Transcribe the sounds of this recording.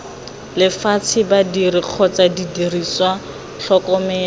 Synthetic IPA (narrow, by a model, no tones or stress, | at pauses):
lɪfat͡sʰɪbadiriq͡χʰɔt͡sadidiriswa | ɬɔkɔmɛ